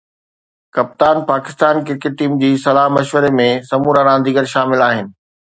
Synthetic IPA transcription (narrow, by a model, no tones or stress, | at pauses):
kɐp̚t̪aːnpaːkɪst̪aːnkɪɾkɪʈ̚ʈːiːmd͡ʑiːsɐlaːɦmɐʃʋəɾemẽsɐmuːɾaɾãːn̆d̪ʱiːɡəɾʃaːmɪlaːɦɪnɪ̆